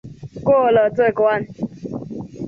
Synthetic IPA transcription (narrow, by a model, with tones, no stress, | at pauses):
ko˦˨lɔ˨tʊ˦e˨kʊ˨˦a˦n̩˦